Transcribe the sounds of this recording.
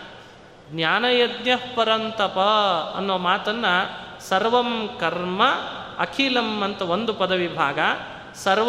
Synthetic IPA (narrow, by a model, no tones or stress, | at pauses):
ɡnjaːnɐjɐd̪njɐhpɐɾɐnt̪ɐpɐɐnːuʋɐmaːt̪ɐnːɐsɐɾʋɐmkɐɾmɐɐkʰiːlɐmɐnt̪ɐʋond̪upɐd̪ɐʋibʱaːɡɐ | sɐɾʋ